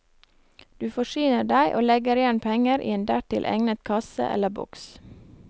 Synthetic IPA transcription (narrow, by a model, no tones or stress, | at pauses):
d̪̥ʉːfɔʃyːnəɖæɪʔoːlɛɡəɾɪjɛnpʰɛŋəɾʔḭːeːnd̪æʈɪlʔɛ̰ŋnət̪kʰɑsə̰ʔɛ̰ləbʊ̰ks